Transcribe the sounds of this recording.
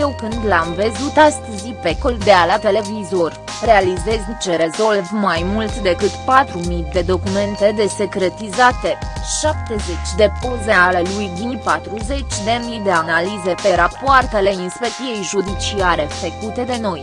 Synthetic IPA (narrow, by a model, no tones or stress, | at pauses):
jewkɨnd̪lamvəzut̪ast̪ɨzipekold̪e̞alat̪e̞le̞vizo̞rʲ | re̞alize̞zt͡ʃe̞ɾe̞zo̞lvmajmult̪d̪e̞kɨt̪pat̪ɾumijd̪e̞d̪o̞kume̞nt̪e̞d̪e̞se̞kɾe̞t̪izat̪e̞ʃap̚t̪e̞ze̞t͡ʃʲd̪e̞po̞ze̞alelujd̪ipat̪ɾuze̞t͡ʃʲd̪e̞mid̪e̞analize̞pe̞ɾapoart̪e̞le̞inspek̚t̪ije̞jʒud̪it͡ʃiaɾe̞fekut̪e̞d̪e̞no̞j